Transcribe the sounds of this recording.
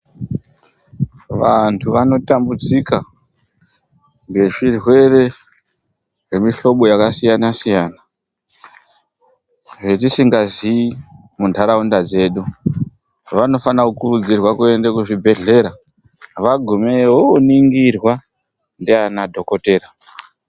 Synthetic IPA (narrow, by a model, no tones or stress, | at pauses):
ʋantʰuʋano̞tambud͡zika | ŋɡe̞ʐirwe̞re̞ | ʐe̞miɬo̞ɓo̞jakasijanasijaːna | ʐetisiŋɡazi | mundʱaɾaundad͡ze̞ːɗu | ʋano̞fanakukurud͡zirwakue̞ndekuʐibʱe̞ɮe̞ɾa | ʋaɡʱumeoniŋɡirwa | ndianadʱo̞ko̞te̞ːɾa